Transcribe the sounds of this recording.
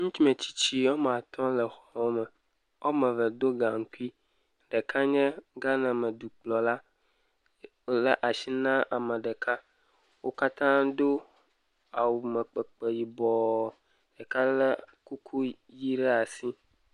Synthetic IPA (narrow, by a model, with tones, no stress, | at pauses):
ŋũ˦t̪i˦mẽ˨t͡ɕi̥˦t͡ɕi˦wo˦m˨a˨t̪ʰɔ̃˦lə˨xɔ˨wo˦mə˨ | o̰˦mə̃˨və˨d̪o˦ɡã˨ŋ̩˦ku˦i˦ | ɖə˨kʰa˦ɲɛ̃˦ɡa˦nã˨mə˨du˨k͡plɔ˨la˦ | lə˨ʔa˨ʃi˦nã˦ʔa˨mə̃˨ɖə˨ka˦ | wo˦ka˦t̪ã˦do˦ | a˨wu˨mə˨k͡pə˨k͡pe˨ji˨bɔ˨ | ɖ̥ə˨ka˦lə˦ku˦kʰu˦ | ji˦ɖɛ˦a˨si˦